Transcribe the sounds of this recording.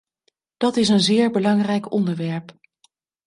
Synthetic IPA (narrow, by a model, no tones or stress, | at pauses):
d̥ɑtɪs̬ənzɪːɹbəlɑŋrɛjkɔ̰ndəɹʋɛɹp